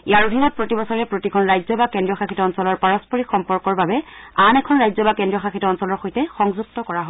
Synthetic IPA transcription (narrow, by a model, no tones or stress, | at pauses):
iaɹodʱinɔt̚pɹotibɔsɔɹɛpɹotikʰɔnɹajzɔbakɛndɹijɔxakʰitɔɔnsɔlɔɹpaɹɔspɔɹixɔmpɔɹkɔɹbabɛanɛkʰɔnɹajzɔbakɛndɹiɔxakʰitɔɔnsɔlɔɹxojtɛxɔŋzuk̚tɔkɔɹaɦo